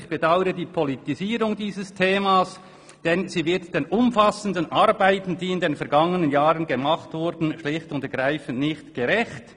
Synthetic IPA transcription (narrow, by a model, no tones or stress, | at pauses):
çb̥edaʊəɾədiːpʰɔlitiziːʁʊŋdiːzəstʰeːmaːs | d̥ɛnziːvɪɐtd̥eːnʔʊmfasən̩dənʔɑɾbaɪtn̩d̥iːɪndeːnfɛɐɡ̥ɑŋənənjaːʁənɡemaχtvʊɾdn̩ʃlɪxtʊntəɡʁaɪfən̩tnɪçtɡ̥eʁɛçt